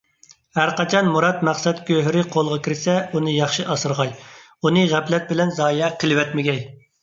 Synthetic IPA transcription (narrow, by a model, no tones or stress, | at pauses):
hæɾqɑt͡ʃʰɑnmuɾɑt̪mæχsɛt̪kʲʰøɦɾɪqʰolˠʁɑkʲʰiɾɪsɛunɨjɑχʃiʔɑsɨɾʁɑj | unɨʁæplɛt̪̚bɪlɛnzɑːjɛqʰəlɪwɛt̪mɪɡʲɛj